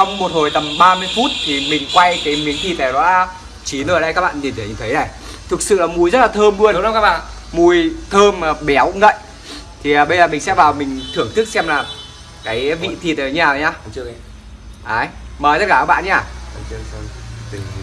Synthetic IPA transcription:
t͡ɕɔ˧wŋ͡mmo˨˩t̚ho˨˩jt̪ə˨˩mɓaː˧mɨ˧əjfu˦˥t̚t̪ʰi˨˩mï˨˩ŋ̟kwa˧jkaː˨˦jmi˨˦ənt̪ʰi˧˩t̪e˨˩ɗɔ̰˧˦ | t͡ɕi˨˦nəː˨˩˨ɗə˧kaː˦˥kɓa̰ː˧˨ti˨˩nt̪ʰə˨˦ɲɨ̰˧˨˩t̪ʰə˨˦jna˨˩j | t̪ʰɨ˨˩k̚sɨ̰˧˨laː˨˩mu˧˩jzə˦˥t̚laː˨˩t̪ʰəː˧mɓɨ˧ən˧˦kaː˦k̚ɓa̰ː˧˨ | mu˧˩jt̪ʰəː˧mː˨˩ɓɛ˨˦wkʊ̰˧ŋə̰˧˨jʔ | t̪ʰi˨˩əː˨˩ɓə˧jzəː˨˩mï˨˩ŋ̟sɛ̰˧˥vaː˨˩wmï˨˩ŋ̟t̪ʰɨ˧˩əŋt̪ɨ˦˥ək̚sɛ˧mlaː˨˩ | kaː˨˦jvḭ˧˨t̪ʰi˧˨˩t̪e˨˩˨ɲaː˨˩˨ɲaː˧˦ | ʔaː˨˩˦jməː˨˩jt̪ə˦˥kaː˧˩˨ɓa̰ː˧˨ɲaː˧˩˨

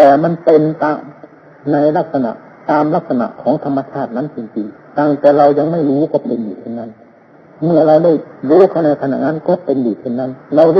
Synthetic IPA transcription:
t̪ɛː˨˩ma˧˥˨npe˧nt̪aː˧˩ŋ | na˧jla˦˥˩k̚sa˧na̰˨ʔ | t̪aː˧mla˦˥˩k̚sa˧na̰˧˨ʔkʰɔː˩˦ŋt̪ʰa˧mːa˧t͡ɕʰaː˥˩t̪̚na˦˥nt͡ɕi˧˩ŋtʰi˧t̪aː˧˩ŋt̪ɛː˨˩ɾa˧wja˧ŋma˥˩jɾuː˦˥kɔː˧˩pe˧ndiː˨˩t̪ʰe˧˩nːa˧˥˨n | mɯ˥˩ɐɾa˧wda˥˩jɾuː˦˥kʰa˧˩wna˧jt̪ʰa˧na̰˧˩ʔŋaː˧˥nkɔː˧˥˩pe˧ndiː˨˩t̪ʰe˧˩nːa˦˧˥nɾa˧wda˧

